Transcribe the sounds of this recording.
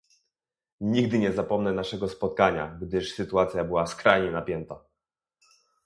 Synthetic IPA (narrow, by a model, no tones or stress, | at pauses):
ɲiɡd̪ɘɲɛzapɔmnɛnaʂɛɡɔspɔt̪̚kaɲa̰ɡd̪ɘʂsɘt̪uat̪sʲjabɘwaskɾajɲɛnapʲjɛnt̪a